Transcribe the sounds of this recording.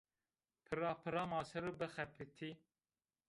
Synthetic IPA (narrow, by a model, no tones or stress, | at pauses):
pʰɨɾɑːpʰɨɾɑːmɑːsɨɾɨbɨxɛpʰɨt̪ʰiː